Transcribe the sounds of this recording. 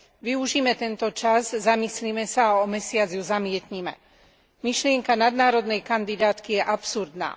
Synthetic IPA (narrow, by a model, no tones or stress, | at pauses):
ʋiuʒiːmɛt̪ɛnt̪ɔt͡ʃazzamisliːmɛsaːɔmɛsɪad͡zjuzamɪɛt̪ɲimɛ̰ | miʃlɪɛŋkanad̪naːɾɔd̪nɛjkand̪id̪aːt̪kijɛʔapsuɾd̪na̰ː